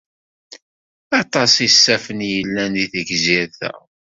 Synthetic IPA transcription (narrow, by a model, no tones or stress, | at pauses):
ɑt̪ˤɑsˤisːæfənjəlːæniθəɡzɪɾθæ̰